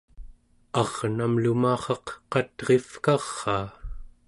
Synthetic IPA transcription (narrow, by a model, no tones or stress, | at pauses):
ɑʁnamlumɑːχɑqqɑt̪ʁe̞fkɑʁːɑː